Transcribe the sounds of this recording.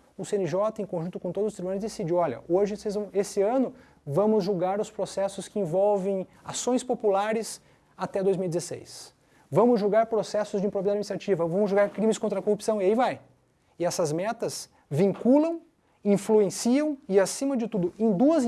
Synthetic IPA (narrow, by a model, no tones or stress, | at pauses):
ʊsẽnɪʒɔt̪ɐẽkõʒũt̪ʊkõt̪od̪zʊst̪ɾbũnaɐɾʊzd̪esid͡ʒiwɔʎɐ̰oʒɪsezɐ̃w̃esɪɐ̃nʊ | vɐ̃mʊzʒuɡaɾʊspɾosɛsʊskɪĩvɔwvẽj̃ | asõj̃spopulaɾɪs | at̪ɛd̪ojzmiwid͡ʒ̪ʲɪzesḛjs | vɐ̃mʊzʒuwɡaɾpɾosɛsʊzd͡ʒɪĩpɾobavid̪ad͡ʒminist̪ɾat͡ʃivɐvɐ̃mʊzʒoɡaɾkɾĩmɪskõnt̪ɾɐkohupsɐ̃w̃iaivaj | ɪɛsɐzmɛt̪ɐs | vĩŋkulɐ̃w̃ | ĩfluẽsiɐ̃w̃ɪasĩmɐd͡ʒɪt̪ud̪ʊẽj̃d̪uɐz